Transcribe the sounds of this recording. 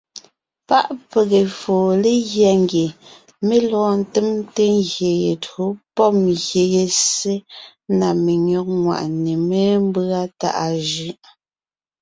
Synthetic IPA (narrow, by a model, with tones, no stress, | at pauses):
pa˦ʔpe˨ɣe˨foː˨le˦ɣjɛ˨ŋɡje˨ | me˦lɔː˦n̩˨te˦mte˦ŋɣje˨je˨to˨˦pɔ˦mɣje˨je˨se˦ | na˨me˨ɲɔ˦k̚ŋwa̰˨ʔne˨me˦m˦bɰa˦ta̰˦˨ʔa˨ʒʉ˦